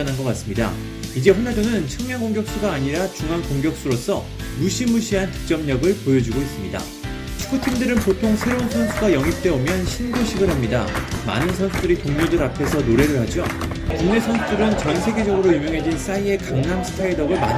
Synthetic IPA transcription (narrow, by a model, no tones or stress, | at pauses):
ʌnɦanɡʌk͈as͈ɯmɲida̰ | id͡ʑe̞ɸonadonɯnt͡ɕʰɯŋmjaŋɡoŋɡjʌk̚s͈uɡaːɲiɾat͡ɕuŋɦankoŋɡjʌk̚s͈uɾos͈ʰʌ | muɕʰimuɕʰiɦantɯ̥k̚t͡ɕ͈ʌmɲʌɡɯɭpojʌd͡ʑiɡois͈ɯmɲida̰ | t͡ɕʰu̥kʰutʰimdɯɾɯnpotʰoŋsʰe̞ɾounsʰʌnsʰuɡajʌŋip̚t͈e̞omjʌnɕʰinɡoɕʰiɡɯɭhamɲidama̰nɯnsʰʌnsʰudɯɾitoŋɲodɯɾapʰe̞sʰʌnoɾe̞ɾɯɭɦhad͡ʑo | kuŋne̞sʰʌnsʰudɯɾɯnt͡ɕʌnsʰe̞ɡe̞d͡ʑʌɡɯɾojumjoŋɦe̞d͡ʑins͈aie̞kaŋnamsʰɯ̥tʰaiɭdʌɡɯɭma̰